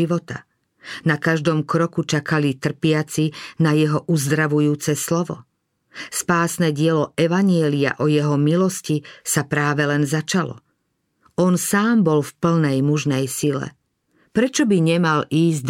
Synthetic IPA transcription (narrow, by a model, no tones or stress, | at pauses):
iʋɔt̪a̰ | nakaʒd̪ɔmkɾɔkut͡ʃakalit̪r̩pɪat͡sinajɛɦɔʔuzd̪ɾaʋujuːt͡sɛslɔʋɔ̰ | spaːsnɛɟɪɛlɔɛʋaɲɪɛlia̰ʔɔjɛɦɔmilɔscisapɾaːʋɛlɛnzat͡ʃalɔ̰ | ʔɔnsaːmbɔlfpl̩nɛjmuʒnɛjsilɛ̰ | pɾɛt͡ʃɔbiɲɛmaliːzd̪